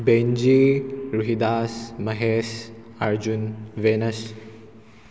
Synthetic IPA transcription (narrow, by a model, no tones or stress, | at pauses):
bend͡ʒiɾuɦid̪asmɐɦes | aɾd͡ʒunwenɐs